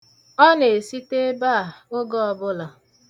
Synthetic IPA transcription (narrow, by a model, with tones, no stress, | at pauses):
ɔ˦ne˨si˦te˦ba˦a˨ʊ˦ɡɔ˦ɔ˨bʊ˦la˨